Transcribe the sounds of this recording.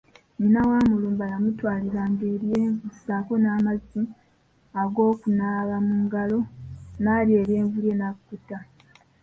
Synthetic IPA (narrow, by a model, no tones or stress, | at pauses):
ɲinawaːmuluːmbaɾamutwaːliɾaːŋɡe̞ːɾjeːɱvussako̞naːmazi | aɡo̞ːkunaβamuːŋɡalo̞naːɾje̞ɾje̞ːɱvuɾje̞nakutːa